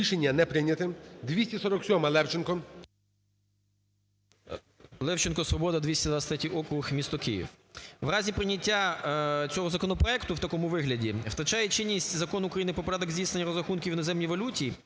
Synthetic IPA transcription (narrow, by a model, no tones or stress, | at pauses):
iʃenʲːɐnɛpɾɪnʲɐt̪ɪmd̪ʋʲisʲtʲisɔɾɔksʲɔmɐlˠɛwt͡ʃɪnkɔ | lˠɛwt͡ʃɪnkɔsʋɔbɔd̪ɐd̪ʋʲisʲtʲɐd̪ʋat͡ssʲt̪ɾʲɛtʲiʔɔkɾʊxmʲist̪ɔkɪjḭw | ʋrɑzʲipɾɪnʲɐtʲːat̪sʲɔɦɔzɐkɔnɔpɾɔɛkt̪ʊwt̪ɐkɔmʊʋɪɦlʲɐdʲiwt̪ɐt͡ʃɑjɛt͡ʃɪnʲːisʲtʲzɐkɔnʊuːkɾɐjinɪpɔpɐɾʲad̪ɔɡzʲdʲijsnenʲːɐɾɔzɾɐxunkʲiʋwɪnɔzɛmnʲijʋɐlʲutʲiː